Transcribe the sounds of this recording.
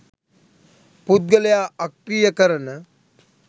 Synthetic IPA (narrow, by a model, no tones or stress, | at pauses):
pud̪̚ɡəlejaːʔɐkɾijəkəɾənə